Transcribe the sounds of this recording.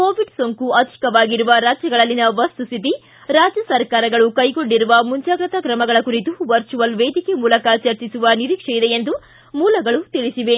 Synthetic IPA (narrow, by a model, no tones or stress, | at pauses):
ko̞ːʋiɖsoŋkuɐd̪ʱi̥kɐʋaːɡiɾuʋɐɾaːd͡ʒjɐɡɐɭɐlːinɐʋɐst̪ust̪ʰit̪i | ɾaːd͡ʒjɐsɐɾkaːɾɐɡɐɭukɐjɡoɳɖiɾuʋɐmuɲt͡ʃaːɡɾɐt̪ɐkɾɐmɐɡɐɭɐkuɾit̪uʋɐɾt͡ʃuʋɐlʋeːd̪ikemuːlɐkɐt͡ʃɐɾt͡ʃisuʋɐniɾiːkʂɐjid̪e̞jend̪u | muːlɐɡɐɭut̪iɭisiʋe̞